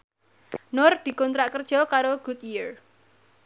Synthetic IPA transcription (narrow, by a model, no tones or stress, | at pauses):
nʊrd̪̥i̤kɔnt̪ɾaʔkərd̥ʒ̥ɔ̤kaɾoɡ̥ut̪jir